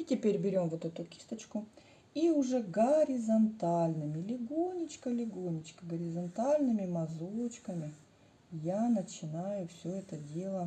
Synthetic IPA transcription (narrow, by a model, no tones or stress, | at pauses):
itʲɪpʲeɾʲbʲɪɾʲo̞mvot̪ɛt̪ʊkʲi̥st̪ət͡ɕkʊ | iʊʐɛɡəɾʲɪzɐnt̪alʲnɨmʲɪlʲɪɡonʲɪt͡ɕkəlʲɪɡonʲɪt͡ɕkəɡəɾʲɪzɐnt̪alʲnɨmʲɪmɐzot͡ɕkəmʲɪ | janət͡ɕɪnajʊfsʲɵɛt̪ədʲe̞lˠə